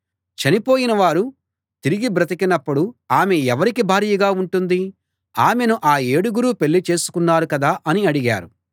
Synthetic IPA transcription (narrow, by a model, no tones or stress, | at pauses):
t͡ʃɐnipo̞ːjinɐʋaːɾu | t̪iɾiɡibɾɐt̪̬ikinɐpːuɽuaːmeɛʋɐɾikibʱaːɾijɐɡaːuɳʈund̪i | aːme̞nuʔaːe̞ːɽuɡuɾuːpe̞ɭːit͡ʃe̞ːsu̥kunːaːɾukɐd̪aːʔɐniɐɽiɡa̰ːɾu